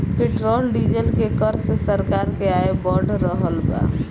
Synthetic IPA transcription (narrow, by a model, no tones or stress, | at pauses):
peʈɾolɖid͡ʒelkekəɾsesəɾkaɾkeaebəɖʱɾəɦəlba̰